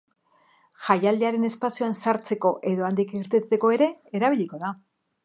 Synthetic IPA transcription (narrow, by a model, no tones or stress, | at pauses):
ʝajald̪eaɾe̞ne̞spasiuansaɾt͡se̞ko̞ʔe̞ðo̞and̪ikiɾt̪et͡seko̞e̞ɾe̞ːɾaβ̞iʎiko̞ða